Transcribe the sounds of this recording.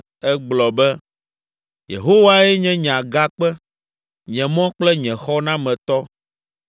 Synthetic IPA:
ɛ˦ɡ͡blɔ˨bɛ˦ | jḛ˨ɦo˦wa˦ɛ˦ɲɛ̃˦ɲ˨ã˨ɡa˦k͡pɛ˦ | ɲ̃˨ɛ̃˨mɔ̃˦k͡plɛ˦ɲɛ̃˨xɔ˦nã˦mɛ̃˨t̪ɔ˦

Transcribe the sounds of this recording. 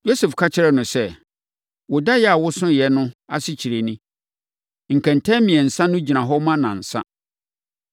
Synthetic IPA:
jo˦sɛ˨fkʰa˦t͡ɕʰɪ˦ɾɛ˦˨nʊ̃˨sɛ˦ | wʊ˨da˦jɛ˦a˨wʊ˦sʊ̃˦jɛ˦nʊ̃˦a˦sɪ˦t͡ɕʰi˨ɾe˨nĩ˦ | ŋ̩˨kʰæ̃˨ntʰɛ̃˦mĩ˨ɛ˨n̩˨sã˦nʊ̃˦d͡ʑi˨nã˨ɦɔ˦mã˦nã˨n̩˨sã̰˦

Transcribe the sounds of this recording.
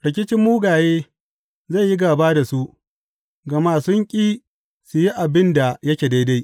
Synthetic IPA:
ɽɪ˨k̬ʲɪ˦t͡ʃɪ˦mːuː˦ɡaː˨jeː˦ | za˦˨jːi˦ɡaː˨baː˦da˨su˦ʔ | ɡɐ˨maː˦˨sʊ˦ŋkʲʼiː˦ | su˨ji˦ʔa˨bɪ˦nda˨jɐ˦kʲeː˨da˦jda˦j

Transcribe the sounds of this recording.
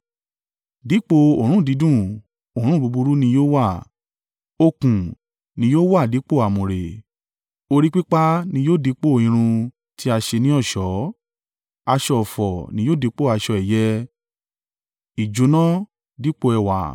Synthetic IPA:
di˨˦k͡po˧o˨ɾ̃ũ˦˨di˨˧˦dũ˦˨ | o˨ɾ̃ũ˦˨bu˧bu˧ɾu˦nĩ˧joː˦wa˦˨ | o˧kũ˨ | nĩ˧˦joː˦wa˦˨di˨˦k͡po˦˨a˨mũ˨ɾe˨ | o˧ɾi˦k͡pi˦k͡pa˦nĩ˧joː˦˨di˧˦k͡po˦˨ĩ˧ɾ̃ũ˧ | ti˦a˧ʃe˧nĩ˦ɔ˦˨ʃɔ˨˦ | a˧ʃɔ˧ɔ˨fɔ˨nĩ˧˦jo˦˨di˨˧˦k͡po˦˨a˧ʃɔ˧ɛ˨jɛ˦ | i˨d͡ʒu˨˦nɔ̃˦ | di˨˦k͡po˧ɛ˧˨wa̰˨

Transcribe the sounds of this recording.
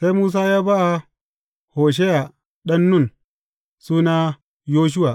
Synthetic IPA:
sa˦jmuː˦s̬aː˦jaː˦ba˦ʔa˨ | hoː˨ʃ̬e˦ja˨ | ɗɐ˦nːʊ˦˨n | suː˦na˦ | joː˦ʃ̬u˦wa˨

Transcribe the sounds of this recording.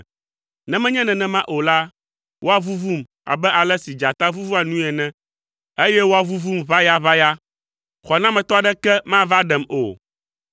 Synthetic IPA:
nɛ̃˦mɛ̃˦ɲɛ̃˦nɛ̃˨nɛ̃˦mã˦ʔo˨la˦ | wʔo˦a˨vu˦vu˦m | a̰˨bɛ˦ʔa˨lɛ˦si˨d͡ʒa˨t̪a˦vu˦vu˦a˨nũ˦ɛ˨nɛ̃˦ | e˦jɛ˦wo˦a˨vu˦vu˦mva˦ja˦βa˦ja˦ | xɔ˨nã˦mɛ̃˨t̪ɔ˦a˨ɖɛ˦kɛ˦mã˦va˦ɖɛ˨mo̰˨

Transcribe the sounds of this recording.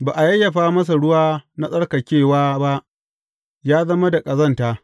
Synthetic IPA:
baː˨ʔa˨jɐ˦jːɐ˨ɸaː˦mɐ˦s̬a˨ɽʊ˦waː˦na˦sʼɐ˦ɽkɐ˨kʲeː˦˨waː˦ba˦ʔ | jaː˦zɐ˦ma˦da˨kʼɐ˨zɐ˦˨ntaː˦

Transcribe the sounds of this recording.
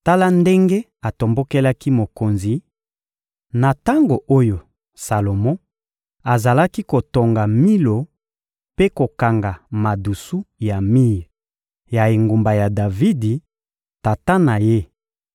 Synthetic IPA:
ta˦la˦nde˦ŋɡe˦ | a˨to˨mbo˦ke˦la˦ki˦mo˨ko˨nzi˨ | na˨ta˦ŋɡo˨ʔo˦jo˨ | sa˨lo˨mɔ̃˦ | a˨za˨la˦ki˦ko˨to˨ŋɡa˨mi˦lo˨ | pe˦ko˨ka˨ŋɡa˨ma˨du˨su˦ja˨mi˦˨ | ja˨e˨ŋɡo˨mba˨ja˨da˨vi˦di˨ | ta˨ta˦na˨je˦

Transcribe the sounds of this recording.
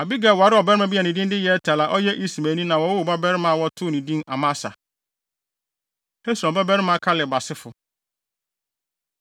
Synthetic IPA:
a˨bi˦ɡɛ˦˨wɔ˨a˨˦ɾɪ˦ɔ˨bɛ˦ɾɪ˦mã˨bi˦ɛ˨nĩ˨dĩ˦ndɪ˦jɛ˨˦tʰa˨la˨ʔɔ˦jɛ˦ʔi˦si˨mæ˨nĩ˦nã˨wɔ˨wʊ˦ʊ˨ba˦bɛ˦ɾɪ˦mã˦˨wɔ˦tʰʊ˦˨nĩ˨dĩ˦na̰˨mã˦sa̰˨ | nʰɛ̃˦su˨ã˨ba˦bɛ˦ɾɪ˦mã˨˦˨kʰa˦lɪ˨ba˨sɪ˦fʊ˨

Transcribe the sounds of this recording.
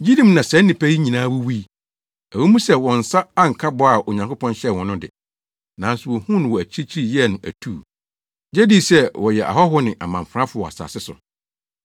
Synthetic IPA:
d͡ʑi˦dĩ˦mnã˨sɛ̃˨˦n˦nɪ̃˨pʰæ˦ji˦ɲĩ˨nãː˦wu˦wi˦ | æ˨wɛ˦mũ˦sɛ˦˨wɔ̃˨n̩˨sa˦a˦ŋ̩˨kʰa˦bɔ˦a˨ʔo˨ɲã˨ŋkʰo˦pʰɔ̃˦nɕɛ˦˨wɔ̃˨˦nʊ̃˦dɪ̰˨ | nã˨n˦sʊ˨wɔ˨hũ˦ñ˨wɔ˨æ˨t͡ɕʰi˦i˦t͡ɕʰi˦i˦˨jɛ˦˨nʊ̃˨æ̰˨tʰuː˦˨ | d͡ʑæ˦di˦˨sɛ˦wɔ˨jɛ˨ʔa̰˨ɦɔ˦ɦʊ˦nɪ̃˨ʔa̰˨mã˨ɱ˨fɾã˦fʊ˦ɔ˨a̰˨sa̰ː˨sɪ˦sʊ̰˨

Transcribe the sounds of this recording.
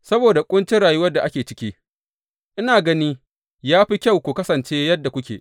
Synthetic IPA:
sɐ˦boː˨da˨kʷʼʊ˦nt͡ʃɪ˦ɽaː˨ju˦wɐ˦da˨ʔa˦kʲeː˨t͡ʃɪ̥˦kʲiː˦ | ʔɪ˦naː˨ɡɐ˦niː˦ | jaː˦ɸi˦kʲɐ˦wkʷu˨kɐ˦sɐ˨nt͡ʃeː˦jɐ˦dːa˨kʷʊ˦kʲḛː˨

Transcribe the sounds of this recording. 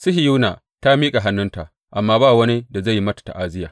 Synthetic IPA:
sʊ˦ɦi˨ju˦na̰˨ | ta˦miː˦kʼa˨ɦa˦nːʊ˦nta˨ʔ | ʔa˨mːaː˦baː˦˨wɐ˦ni˦da˨za˦˨ji˦mɐ˦tḁ˨ta̰˨ʔaː˦zɪ˦jaː˨

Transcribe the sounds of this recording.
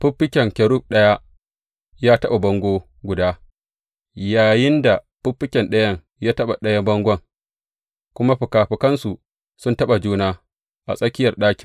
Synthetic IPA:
ɸʊ˦ɸːɪ˦kʲɛ˨ŋkʲɛ˨ɽʊ˦˨k̚ɗɐ˦ja˦ | jaː˦tɐ˦ɓa˨bɐ˦ŋɡʷoː˦ | ɡʷʊ˨daː˦ | jaː˨jɪ˦nda˨ | ɸʊ˦ɸːɪ˦kʲɛ˨nɗɐ˦jɐ˦ŋ | jaː˦tɐ˦ɓa˨ɗɐ˦ja˦bɐ˦ŋɡʷɐ˦˨ŋ | kʷʊ˦ma˦ɸʊ˨kaː˨ɸɪ˨kɐ˦nsu˨ | sʊ˦ntɐ˦ɓa˨d͡ʒuː˦naː˦ | ʔa̰˨sʼɐ˦kʲɪ˦jɐ˨rɗaː˦kʲɪ̥˨ŋ

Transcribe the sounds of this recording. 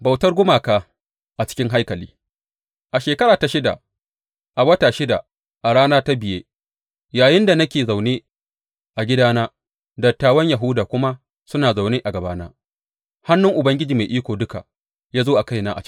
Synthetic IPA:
ba˨wtɐ˦rɡʷʊ˦maː˨kaː˦ | ʔa˨t͡ʃɪ̥˦kʲɪ˦ŋɦa˦jkɐ˨lḭː˦ | ʔa˨ʃeː˨kɐ˦ɾaː˨ta˨ʃɪ˦da̰˨ | ʔa˨wɐ˦taː˨ʃɪ˦da̰˨ | ʔa˨ɽaː˦naː˦ta˦bɪ˨jeː˦ | jaː˨jɪ˦nda˨nɐ˦kʲeː˨za˨wneː˦ | ʔa˨ɡʲɪ˦daː˦naː˦ | dɐ˨tːaː˦wɐ˦ɲja˨ɦʊ˦daː˨kʷʊ˦ma˦ | sʊ˦naː˨za˨wneː˦ʔa˨ɡɐ˨baː˦na̰ː˦ | ha˦nːʊ˦ŋʔʊ˨bɐ˦ŋɡʲɪ˦d͡ʒiː˨ma˨ʔiː˦kʷoː˨dʊ˦ka̰˨ | jaː˦zoː˦ʔa˨ka˦jnaː˦ʔa̰˨t͡ʃ

